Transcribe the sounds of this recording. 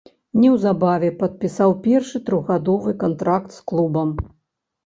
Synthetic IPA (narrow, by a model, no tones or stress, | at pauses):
nʲɛwzabavʲɛpɐt̪̚pʲisawpʲɛrʂɨt̪ɾɔɣad̪ɔvɨkant̪ɾakt̪sklˠubɐm